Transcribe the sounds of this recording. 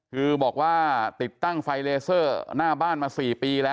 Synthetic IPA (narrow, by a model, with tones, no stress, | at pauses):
kʰɯː˧bɔː˨˩k̚waː˥˩t̪i˨˩t̪ːa˥˩ŋfa˧jleː˧sɤː˥˩naː˥˩baː˥˩nmaː˧siː˨˩piː˧lɛː˦˥